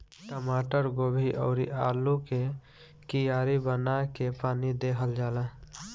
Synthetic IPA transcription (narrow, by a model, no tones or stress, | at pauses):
ʈəmaːʈəɾɡoːbʱiʔɔ̰ːɾḭʔaːluke | kijaːɾibənakepaːnid̪eːɦəld͡ʒaːlə